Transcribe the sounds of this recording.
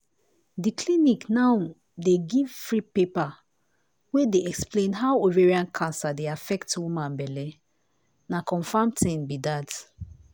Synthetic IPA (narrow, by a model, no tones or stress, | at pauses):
dikʰliniknaʊ | deɡiv̥fɹipepa | wedeɛksplẽnɦaʊoveɹiãnkʰãnsadeafɛktwumãnbɛlɛ | nakʰɔ̃ɱfãmtʰĩnbidat